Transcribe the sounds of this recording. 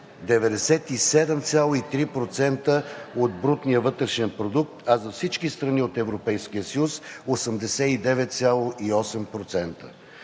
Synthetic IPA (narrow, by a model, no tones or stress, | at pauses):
d̪ɛvɛd̪ɛsɛt̪isɛd̪ɛmt̪sʲjalˠoit̪ɾipɾot̪sɛnt̪əod̪̚bɾut̪nijəvɤt̪ɾɛʃɛnpɾod̪uk̚t̪ɐzɐfsit͡ʃkist̪ɾɐniot̪ɛvɾopɛjsk̟ijəsjusosəmd̪ɛsɛid̪ɛvɛt̪t̪sʲjalˠoʔiɔsɛmpɾot̪sɛnt̪ə̰